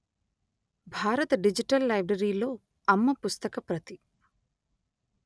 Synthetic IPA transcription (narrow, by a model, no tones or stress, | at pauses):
bʱaːɾɐt̪ɐɖid͡ʒiʈɐlːɐjbɾɐɾiːlo̞ː | ɐmːɐpust̪ɐkɐpɾɐt̪i